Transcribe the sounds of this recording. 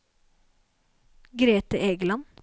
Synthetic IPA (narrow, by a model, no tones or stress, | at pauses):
ɡɾeːt̪əʔeːɡəlɑn